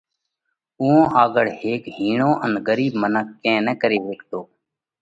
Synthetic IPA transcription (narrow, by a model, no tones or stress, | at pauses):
ʊːõːʔaːɡəɽheːkɦiːɳõːʔənɡəɾiːbmənəkːẽːnɛkəɾeːʋeːkt̪oː